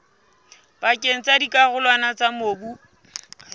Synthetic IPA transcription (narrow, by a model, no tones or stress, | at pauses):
pakʼeŋ̩t͡sadikaɣʊlwanat͡samoːbu